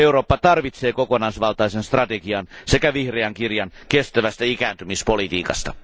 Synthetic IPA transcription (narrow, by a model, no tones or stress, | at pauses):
euɾo̞ːpːɑt̪ɑrʋit̪se̞ːkokonɑsʋɑlt̪ɑisenst̪rɑt̪eɡiɑnsekæʋihreɑŋkirjɑn | kest̪æʋæst̪æikæːnt̪ymispolit̪ḭːkɑst̪ɑ